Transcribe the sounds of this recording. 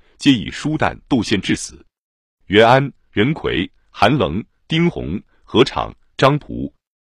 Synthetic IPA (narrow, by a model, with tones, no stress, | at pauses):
t͡ɕjɛ˥ḭ˨˩ʂu˥t̪a̰˥˩nt̪o˥˧ʊɕjɛ˥˧nʈ͡ʂɻ̩˥˩sɹ̩˨˩˦ | ɥɛ˧˥na˥n | ɻə˧˥nkʰwḛ˨˩ɪ | xa˧˥nlɤ˧˥ŋ | t̪i˥ŋxʊ̰˧˥ŋ | xɤ˧˥ʈ͡ʂʰɑ̰˨˩˦ŋ | ʈ͡ʂɑ˥ŋpʰṵ˧˥